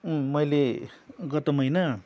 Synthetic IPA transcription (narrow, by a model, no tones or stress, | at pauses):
mʌjleɡʌt̪ʌmʌjnʌ